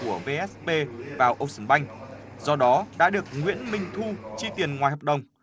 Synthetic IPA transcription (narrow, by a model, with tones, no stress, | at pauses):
u˧˩əve˧ʔɛ˦˥spe˧vaː˨˩wʔə˧wŋ͡msəː˨˧˦ɓa˧jŋ̟ | z̥ɔ˧ɗɔ˨˦ɗa̰ː˧˥ɗɨ˨˩ək̚ŋwḭ˧˥ənmï˧˩ŋ̟t̪ʰu˧t͡ɕi˧t̪i˨˩ənŋwaː˨˩jɦɔ˨˩p̚ɗə˨˩wŋ͡m